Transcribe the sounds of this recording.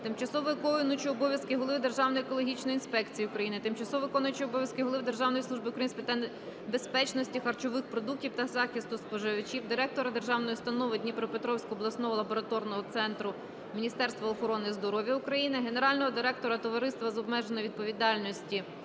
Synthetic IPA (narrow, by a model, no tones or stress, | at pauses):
t̪ɪmt͡ʃɐsɔʋɔkɔnʊt͡ʃiɔbɔʋʲjɐskɪɦɔlˠɪʋd̪erʒɑwnɔjekɔlˠɔɦʲit͡ʃnɔjinspɛkt͡sʲijiukɾɐjinɪt̪ɪmt͡ʃɐsɔʋɔkɔnʊjt͡ʃiɔbɔʋʲjɐskɪɦɔlˠɪʋɪd̪erʒɑwnɔjslˠuʒbɪukɾɐjinsʲpet̪an | be̞spɛt͡ʃnɔsʲtʲixɐrt͡ʃɔʋɪxpɾɔd̪uk̚tʲiwt̪ɐzɑxʲist̪ʊspɔʒɪʋɐt͡ʃiwd̪ɪɾɛk̚t̪ɔɾɐd̪e̞rʒɑwnɔjist̪ɐnɔʋɪdʲnʲipɾɔpet̪ɾɔwsʲkɔɔblˠɐsnɔɦɔlˠɐbɔɾɐt̪ɔrnɔɦɔt̪sɛnt̪ɾʊ | mʲinʲist̪ɛrst̪ʋɐɔxɔɾɔnɪzd̪ɔɾɔʋʲjɐʊkɾɐjinɪɦe̞ne̞ɾɑlʲnɔɦɔd̪ɪɾɛk̚t̪ɔɾɐt̪ɔʋɐɾɪst̪ʋɐzɔb̚mɛʒenɔʋʲid̪̚pɔʋʲid̪ɑlʲnɔsʲtʲi